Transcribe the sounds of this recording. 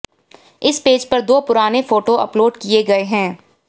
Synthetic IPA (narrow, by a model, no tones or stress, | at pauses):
ɪspeːd͡ʒpɐɾd̪oːpʊɾaːnefoːʈoɐ̰ploːɖkieɡɐeɦɛ̃ː